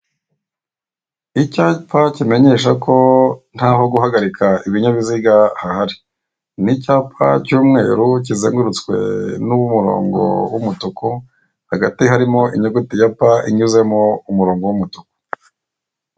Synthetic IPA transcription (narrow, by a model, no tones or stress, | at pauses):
icapacime̞ɲe̞ːʃ̬akʰo̞n̥haːɦo̞ɡuɦaɡaɾikʰaʔiβiɲaβiziɡahahaɾi | nicaːpa̰cuːmŋe̞ːɾuc̬izeːŋɡuɾut͡skwe̞̰nuβumuɾo̞̰ːŋɡo̞̰wumutokʰo | haɡatiɦaɾimo̞iɲoɡutijapaʔiɲuze̞moumuɾo̞ːŋɡo̞wumutoko̥